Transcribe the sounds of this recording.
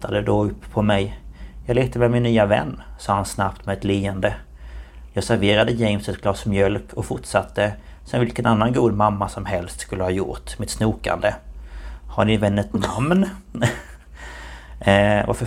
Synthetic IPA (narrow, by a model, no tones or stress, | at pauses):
ad̪əd̪ɔɵpːʰɔmɛjjɑːɡleːt̪əmɛmɪnːyːavɛ̰nːsɑːhansnapt̪mɛɛt̪liːənd̪ə | jɑːɡsæɾveːɾad̪əjɛjmsət̪ɡʰlɑːsmjœlkʰɔfʊʈʂat̪ʰːəsɛnvɪlkənanːanɡuːd̪mamːasɔmɦɛlst̪skɵlːəhɑːjʊ̰ʈmɪt̪snuːka̰nd̪ə | hanɪvɛnːət̪namn | va̰ɾfə